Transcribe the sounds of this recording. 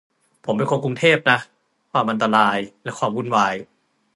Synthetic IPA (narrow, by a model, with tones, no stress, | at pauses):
pʰo˩˦mpe˧nkʰo˧ŋk̬u˧ŋt̪ʰeː˥˩p̚na˦˥ | kʰwaː˧mʔa˧nt̪a˧laː˧jlɛ˦˥kwaː˧mku˧˥˩nwaː˧j